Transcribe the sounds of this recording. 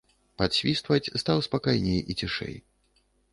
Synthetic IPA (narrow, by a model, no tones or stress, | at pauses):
pat̪ɕʲvʲist̪vɐt͡sʲst̪awspakajnʲejit͡sʲiʂɛ̰j